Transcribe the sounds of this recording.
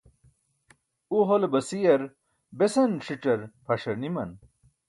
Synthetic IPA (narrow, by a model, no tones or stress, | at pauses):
uɦolebɐsijɐɾ | besɐnʂiʈ͡ʂɐɾpʰɐʂɐɾnimɐ̰n